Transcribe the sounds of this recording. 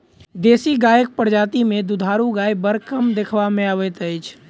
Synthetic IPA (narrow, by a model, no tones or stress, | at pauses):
d̪eːsiɡaːjək̚pəɾd͡ʒaːt̪imẽd̪ud̪ʱaːɾuɡaːjbəɾkəmd̪ekʰʋamẽaːʋɛt̪əɪt͡ʃʰ